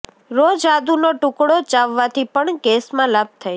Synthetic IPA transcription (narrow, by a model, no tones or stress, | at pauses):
ɾod͡ʒad̪unoʈʊkɽot͡ʃaʋːat̪ʰipəɳkesmãlab̚t̪ʰəj